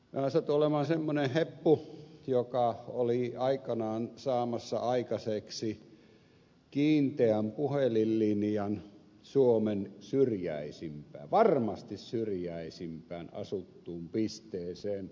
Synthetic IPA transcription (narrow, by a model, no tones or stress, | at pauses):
æsɑot̪uolemɑnsemːonehhepːujokɑoliɑikɑnɑːnsɑːmɑsːɑ̰ɑikɑseksi | kiːnt̪eæmpuhelilːinjɑn | suomensyrjæ̰isimpæ̰ːʋɑrmɑst̪issyrjæisimpˑæˑːnɑ̰sut̪ːuːmpist̪ˑeːseːn